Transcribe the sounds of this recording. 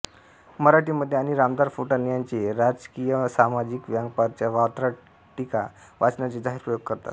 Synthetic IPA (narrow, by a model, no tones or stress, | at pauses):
məɾaʈiməd̪ʱjeaɽ̃iɾamd̪aɾfuʈənijant͡seɾad͡zkijəsamad͡ʑikʋjãŋɡ̚paɾ̚t͡ɕjaʋat̪ɾa | ʈika | ʋat͡snjat͡sed͡zaɦiɾpɾəjoɡ̚kəɾt̪a̰t̪